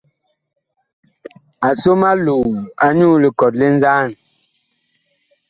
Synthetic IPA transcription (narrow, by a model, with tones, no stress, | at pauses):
a˨so˦ma˦lu˨a˦ɲuː˦˨le˨kɔ˨t̚le˦n̩˦zaː˦˨n